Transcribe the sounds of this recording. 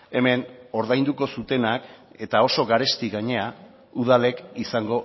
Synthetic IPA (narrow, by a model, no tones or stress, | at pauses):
e̞me̞no̞ɾðajnd̪uko̞sut̪e̞nake̞t̪ao̞so̞ɣaɾe̞st̪iɣaɲe̞a | uð̞ale̞kisaŋɡo̞